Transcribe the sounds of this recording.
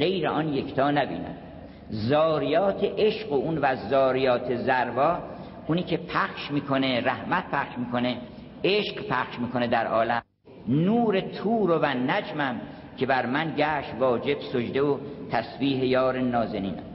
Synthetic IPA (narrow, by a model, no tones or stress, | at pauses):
ɢe̞jɾeʔɒnjekʰt̪ʰɒːnæbḭːnæ̰d̪̥ | zɒːɾijɒːt̪ʰeʔeʃɢounvæzɒːɾijɒːt̪ʰezæɾbɒː | ʔuniːkʰe̞pʰæxʃmiːkʰoneɾæhmæt̪̚pʰæχʃmiːkʰone | eʃqpʰæχʃmiːkʰo̞ned̪æɾʔɒːlæm | nuːɾet̪ʰuːɾovænæd͡ʒmæm | cʰe̞bæɾmænɟæːʃt̪vɒːd͡ʒe̞b̥sod͡ʒd̪evot̪ʰæsbiːɦejɒːɾenɒːzeniːn̰